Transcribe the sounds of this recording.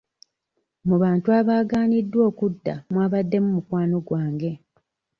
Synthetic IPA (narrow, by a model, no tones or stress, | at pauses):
muβaːntuaβaːɡaːnidːwo̞ːkudːa̰mwaːβadːe̞mumukwaːno̞ɡwaːŋɡe̞